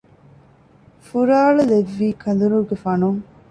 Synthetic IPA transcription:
fuɾaːɭuleʋːiːkʰɐn̆d̪uɾuɾɡefɐnuŋ

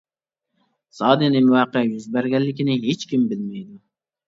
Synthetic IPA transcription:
sɑːd̪ɨnɪmuwɑːqɛjyzbæɾɡʲɛllːɪkʲinɪɦet͡ʃkʲimbɪlmɛjd̪u

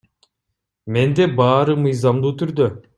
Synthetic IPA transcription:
me̞nd̪ebɑːɾɯmɯjzɑmd̪uːt̪ʰyɾd̪ø

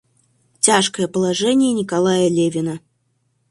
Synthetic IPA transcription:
t͡sʲaʂkəjəpəlˠaʐɛnʲɪjənʲɪkalˠajəlʲevʲɪnə

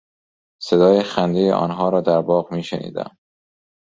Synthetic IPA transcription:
se̞d̪ɒːjexænd̪ejḛʔɒ̰ːnɦɒːɾɒːd̪æɾbɒːɣmiːʃenḭːd̪æ̰m

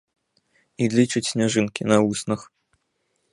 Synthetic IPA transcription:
ilʲit͡ʂɨt͡sʲsʲnʲaʐɨnkʲinɐusnɨx

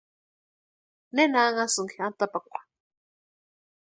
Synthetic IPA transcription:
nenaŋasɨŋkʰiant̪apakʷa

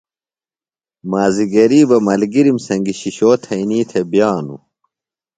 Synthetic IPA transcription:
maːziɡɐɾiːbɐmɐlɡiɾimsɐŋɡiɕiɕoːt̪ʰɐiniːt̪ʰebjaːnu

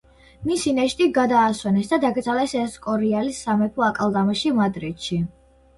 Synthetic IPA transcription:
misinɛʃt̪ʼiɡad̪aːswɛnɛsd̪ad̪aɡd̪zʼalɛsɛskʼɔɾialisːamɛpʰɔakʼalˠd̪amaʃimad̪ɾid̪ʃi

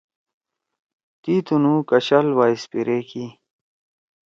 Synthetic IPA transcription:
t̪iːt̪unuːkɐɕɐlwaːispiɾeki

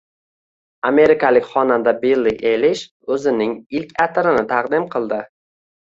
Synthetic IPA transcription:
ame̞ɾɪkʰalɪkʲχɒnand̪abelˠːiʔelɪʃ | ɵzɪnɪŋɪlkʲat̪ʰɾɪnɪt̪ʰɑqd̪ɪmqʰɨlˠd̪ɪ

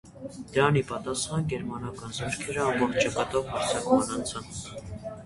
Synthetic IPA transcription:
d̪̥əɾɑnipɑt̪ɑsχɑnɡɛɾmɑnɑkɑnzɔɾkʰɛɾəɑmbɔχt̪ʰt͡ʃɑkɑt̪ɔʁmɑɾt͡sʰɑkmɑnɑnt͡sʰɑn

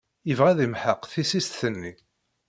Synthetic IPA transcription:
jəvʁæðimħəqθisist̪θənːi

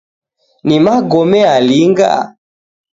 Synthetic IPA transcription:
nimaɡɔmɛaliŋɡa̰

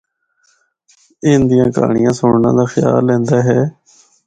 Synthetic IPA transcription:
ɪnd̪ijãːka̰ːɳijãːsʊɳnã̰ːd̪aːxɪja̰ːlːɛ̃ːnd̪aːɦɛː

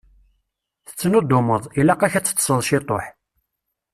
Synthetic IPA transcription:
θə̥t͡sːnud̪ʊməðˤilæqæçæt͡sːə̥t͡s̪ːsˤəðˤʃit̪ˤo̰ħ

